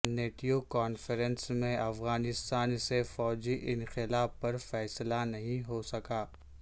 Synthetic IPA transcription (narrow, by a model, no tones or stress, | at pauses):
neːʈiokaːnfəɾə̃nsmẽɐfɣaːnɪst̪aːnsefɔːd͡ʒiʔɪ̃nxɪlaːfːɐɾfɛːslanɐɦĩɦosɐkaː